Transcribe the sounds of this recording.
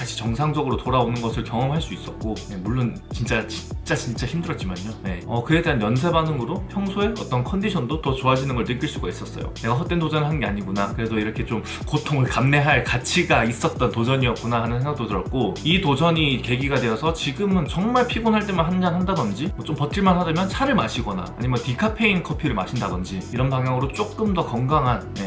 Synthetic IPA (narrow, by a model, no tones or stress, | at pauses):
aɕʰi̥t͡ɕʌŋsʰaŋd͡ʑʌɡɯɾotoɾaonɯnɡʌsʰɯɭkjʌŋʌmɦaɭs͈uis͈ʌt̚k͈oje̞muɭːon | t͡ɕint͡ɕ͈at͡ɕit͡ɕ͈at͡ɕint͡ɕ͈açimdɯɾʌt̚t͡ɕ͈imaɲjoje̞ʌkɯe̞deanjʌns̬ʰe̞banɯŋɯɾopʰjʌŋsʰoe̞ʌt͈ʌnkʰʌndiɕʰʌndotʌt͡ɕoad͡ʑinɯnɡʌɭnɯk͈iɭs͈uɡais͈ʌs͈ʌjo̰ne̞ɡaɦʌt͈entod͡ʑʌnɯɭɦanɡe̞aɲiɡunakɯɾe̞doiɾʌkʰe̞t͡ɕom | kotʰoŋɯɭkamne̞ɦaɭkat͡ɕʰiɡais͈ʌt̚t͈ʌntod͡ʑʌɲiʌt̚k͈unahanɯnsʰeŋɡak̚t͈otɯɾʌt̚k͈oitod͡ʑʌɲike̞ɡiɡadwe̞ʌsʰʌt͡ɕiɡɯmɯnt͡ɕʌŋmaɭpʰiɡonɦaɭt͈e̞manɦand͡ʑanɦandaɡʌnd͡ʑimwʌt͡ɕompʌt̚t͡ɕ͈ʰiɭmanɦadamjʌnt͡ɕʰaɾɯɭmaɕʰiɡʌna̰a̰ɲimjʌntikʰapʰe̞inkʰʌpʰiɾɯɭma̰ɕʰindaɡʌnd͡ʑiiɾʌnpaŋjaŋɯɾot͡ɕ͈ok͈̚ɯmdʌkʌŋɡaŋɦanje̞